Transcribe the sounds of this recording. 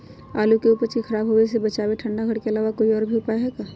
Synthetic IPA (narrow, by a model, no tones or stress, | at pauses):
aːlukeuːpəɾt͡ʃixʰɐɾaːbɦoesebɐt͡ʃaːʋeʈʰɐ̃ɳɖaɡʱɐɽkeɐlaːʋakoiɔːɾbʱiʊpaːjaɦɛːɡaː